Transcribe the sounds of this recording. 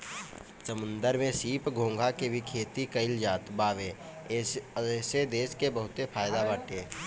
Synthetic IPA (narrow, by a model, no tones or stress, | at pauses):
t͡ʃəmə̃nd̪əɾmẽsiːpɡʱõːŋɡʱakebʱikʰeːt̪ikəɪld͡ʒaːt̪baːʋeː | sed̪eːʃkebəɦʊt̪epʰaːjd̪abaːʈeː